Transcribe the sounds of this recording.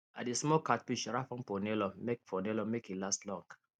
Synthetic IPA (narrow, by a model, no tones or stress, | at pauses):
a̰tdesmɔkat̚piʃɹafɔ̃npɔnelɔmekfɔnɛlɔmekhilastlɔ̃ŋɡ